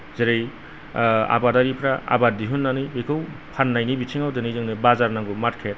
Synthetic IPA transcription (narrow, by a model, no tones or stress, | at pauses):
zeɾej | a̰badaɾipʰɾaa̰badiɦunːanɯjɦekʰɯwpʰanːajnibitʰiŋawdɯnɯjzɯŋnɯbazaɾnaŋɡumaɾkʰet̚